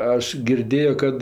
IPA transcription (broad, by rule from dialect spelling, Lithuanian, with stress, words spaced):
ˈɐʃ ɡʲɪrʲˈdʲeːjoː ˈkɐt